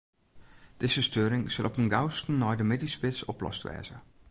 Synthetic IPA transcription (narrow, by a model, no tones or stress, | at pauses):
d̥ɪzəstøːɾɪŋsɪlˠɔpənɡawstn̩nɔjdəmɪdispɪsɔplɔ̰stʋɛ̰ːzə̰